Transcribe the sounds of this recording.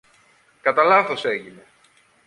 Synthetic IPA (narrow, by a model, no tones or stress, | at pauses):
kɐt̪ɐlɐθo̞se̞ʝine̞